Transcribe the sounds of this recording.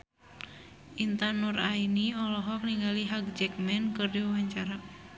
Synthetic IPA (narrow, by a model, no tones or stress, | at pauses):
ʔint̪anːurainiɔlɔɦɔk̚niŋɡaliɦaɡ̚d͡ʒɛk̚mɛnkɨrdiwawaɲt͡ʃaɾa